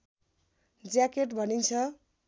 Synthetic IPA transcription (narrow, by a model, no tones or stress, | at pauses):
d͡zakeʈbʱʌnint͡sʰʌ